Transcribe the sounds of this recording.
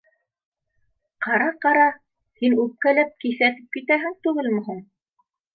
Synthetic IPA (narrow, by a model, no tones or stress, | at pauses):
qɑɾɑqɑɾɑ | hinʉp̚kælæp̚kiθæt̪ɘ̥p̚kit̪æɦɘŋt̪ʉɣɘlmɵ̆ɦuɴ